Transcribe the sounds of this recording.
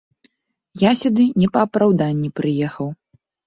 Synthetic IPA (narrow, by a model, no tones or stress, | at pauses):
jasʲud̪ɨnʲɛpɐːpɾawd̪anʲːipɾɨjɛxɐw